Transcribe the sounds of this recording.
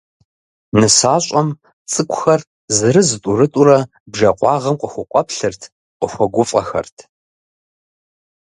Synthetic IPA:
nɨsaːɕʷʼɐm | t͡sʼɨkʷʰʼʊxɐr | zɨɾɨzɨtʼʊɾɨtʼuɾɐ | bʒɐqʷɑːʁɐmqʷʼʊxʷʊqʷʼɔpɬɨrtʰ | qʷəxʷɔɡʷʊfʼɐ̰xɐ̰rtʰ

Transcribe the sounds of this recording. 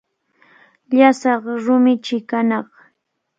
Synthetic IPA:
ʎasɑχɾʊmɪt͡ʃɪkanɑχ

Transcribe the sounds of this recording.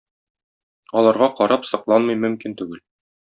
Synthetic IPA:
ɒlˠɑɾʁɑqɒɾɑpsɤ̆qlˠɑnmɤjmɵ̆mkint̪ʉɡɘl

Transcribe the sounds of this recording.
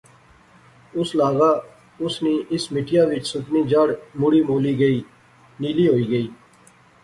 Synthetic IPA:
ʊslaːɡaː | ʊsniːʔɪsmɪʈʰɪjãːʋɪt͡ʃsʊk̪niːd͡ʒəɽmʊɽiːmoːliːɡəiː | niːliːɦoːiːɡəiː

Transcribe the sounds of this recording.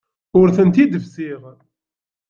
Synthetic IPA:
ʊɾθənt̪id̪əvsiʁ

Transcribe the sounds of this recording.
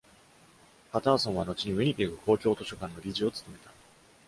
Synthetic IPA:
pat̪aːsõ̞ɰ̃β̞ano̞t͡ɕiɲ̟iɯɲ̟it̪eɡɯ̟ko̞ːkʲo̞ːt̪o̞ɕo̞kãnːo̞ɾʲiʑio̞t͡sɨ̥t̪o̞me̞t̪ḁ

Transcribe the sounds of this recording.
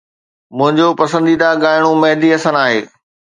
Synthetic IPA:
mʊ̃ɦɪ̃ɲd͡ʑopɐsə̃nd̪id̪aɡaːɪɽ̃ũmɐɦd̪iɐsənaːɦeː

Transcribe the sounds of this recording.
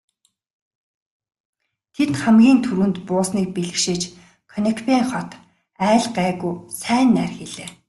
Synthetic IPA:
t̪ʰet̪χæmɡʲiːnt̪ʰuɾɘ̆nt̪pʊːsniːk̚piɮɘ̆kʃĭt͡ɕ | kʰɔnekʰpiːŋχɔt̪ | æːɮɢæːɣujsæːnːærxeɮeː

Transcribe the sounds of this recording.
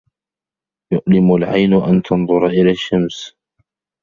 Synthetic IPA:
jʊʔlɪmʊlʕa̰jnʊʔant̪ʰɑnðˤʊɾʔɪlaːʃːams

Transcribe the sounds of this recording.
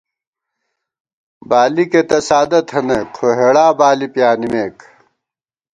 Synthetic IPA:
baːliket̪ɐsaːd̪ɐt̪ʰhɐnekʰoɦeɽaːbaːlipjaːnimeːk

